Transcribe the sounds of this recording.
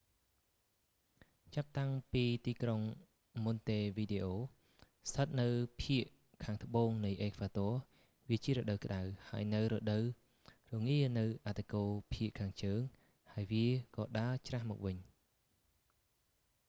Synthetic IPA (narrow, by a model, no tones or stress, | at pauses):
t͡ɕap̚t̪aŋpiːt̪iːkroŋ | munt̪eːʋiːɗeːʔoː | sʰət̪̚nɨwpʰiəʔ | kʰaːŋt̪ə̆ɓoːŋnɨjʔeːkʰʋaːt̪ɔə | ʋiət͡ɕiəɾɔːɗəwkə̆ɗawhaəjnɨwrɔːɗəw | rɔŋiənɨwʔat̪ʰːekoːpʰiəʔkʰaːŋt͡ɕəːŋ | haəjʋiəkɑːɗaət͡ɕrahmɔ̰ːk̚ʋɨɲ